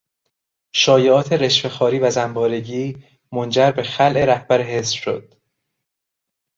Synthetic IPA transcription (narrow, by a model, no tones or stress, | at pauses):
ʃɒːjeɒːt̪ʰe̞ɾe̞ʃfe̞xɒːɾiːvæzæmbɒːɾeɟiː | mond͡ʒæɾbe̞xælʔe̞ɾæhb̥æɾeɦesɾʃo̰d̪̥̚